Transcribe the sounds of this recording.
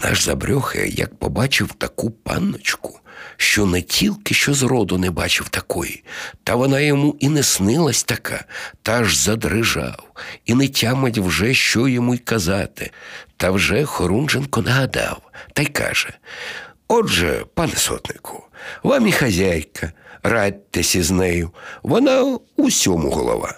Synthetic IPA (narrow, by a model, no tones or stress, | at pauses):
na̰ʒzɐ̰bɾʲɔxɛ̰jɐ̰k̚pɔ̰bɑt͡ʃɪwt̪ɐkupɑ̰nːɔt͡ʃkʊ̥ʃt͡ʃɔnɛtʲʰilʲkɪʃt͡ʃɔzɾɔd̪ʊnɛbɑt͡ʃɪwt̪ɐkɔjḭt̪ɐʋɔnɑjɔmuʔinɛsnɪlˠɐsʲt̪ɐkʰa̰t̪ɐʒzɐd̪ɾɪʒɑ̰winɛtʲamɐtʲwʒɛʃt͡ʃɔjɔmujkɐzɑt̪ɪt̪ɐwʒɛxɔɾunʒenkɔnɐɦɐd̪ɑ̰wt̪ɐjkɑ̰ʒ̥ɛ | ɔʒɛ̰pɑnɛsɔ̰d̪nɪkʰɔ̥ʋamixɐzʲajkʰɐrɑd̚ʲt̪ːɛsʲɐznɛjʊʋɔnɑ | usʲɔmʊ̰ɦɔ̰lˠɔ̰ʋɑ̰